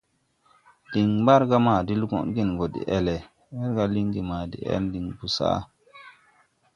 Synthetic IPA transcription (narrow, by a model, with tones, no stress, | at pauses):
d̥i˨ŋba˦ɾɡa˦ma˨di˦lɡo̰˦˨nɡi˦˨nɡo˨dḭ˨ʔe˨le˨ | mɛ˦ɾɡa˦li˦ŋɡi˨ma˨dḭ˨ʔḛ˦ndi˨ŋbu˨sa̰˦˨